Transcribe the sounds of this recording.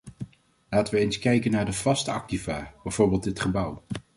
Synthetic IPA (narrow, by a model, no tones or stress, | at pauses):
laːtəʋəejnskɛjkənaːɹdəv̥ɑstəɑ̰k̚tivaːb̥ɛjv̥oːɹbɪːlˠdɪtχəbʌw